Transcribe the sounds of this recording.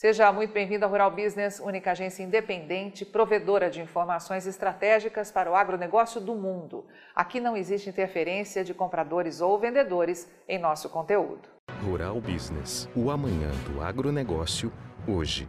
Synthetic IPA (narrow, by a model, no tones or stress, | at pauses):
seʒɐmũj̃t̪ʊbẽj̃vĩnd̪ʊaɦuɾawbiznesũnikɐaʒẽsjɐĩd̪epẽnd̪ẽnt͡ʃɪpɾoved̪oɾɐd͡ʒɪĩfoɾmasõj̃zɪst̪ɾat̪ɛʒikɐspaɾɐʊaɡɾoneɡɔsjʊd̪ʊmũnd̪ʊ | a̰kinɐ̃w̃ezist͡ʃɪĩt̪eɾfeɾẽsiɐd͡ʒɪkõmpɾad̪oɾɪzowvẽnd̪ed̪oɾɪs | ẽj̃nɔsʊ̥kõnt̪eṵd̪ʊ | huɾa̰wbiznḛsuamɐ̃ɲɐ̰̃d̪ʊ̰a̰ɡɾoneɡɔsjʊoʒɪ̰